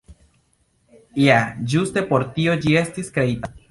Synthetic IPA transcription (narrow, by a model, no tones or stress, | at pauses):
jad͡ʒuste̞po̞ɾtio̞d͡ʒie̞stiskɾe̞ita